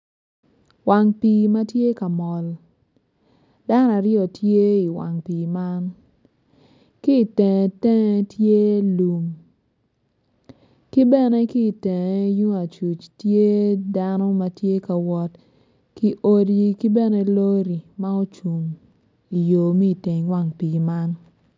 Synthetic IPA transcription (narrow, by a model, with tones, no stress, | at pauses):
wa˨ŋpi˨ma˦tje˦ka˨mɔ˨l | da˦n˦a˨ɾjɔ˨tje˦i˨wa̰˨ŋpiː˨ma˦n | ki˦˨tɛ̃˨tɛ˦ŋ˦tje˦lu˨m | ki˦bɛ˦˨ne˦ki˦˨tɛ˨e˦ju˦ŋa˨t͡ʃu˨t͡ʃtje˦da˦no˦ma˨tje˦ka˨wɔ˦t | ki˦ʔo˦di˦ki˦bɛ˦ne˦lo˦ɾi˨ma˦o˦t͡ʃu˨m | i˨jo˨mi˦˨te˨ŋ˨wa˨ŋpi˨ɡma˦n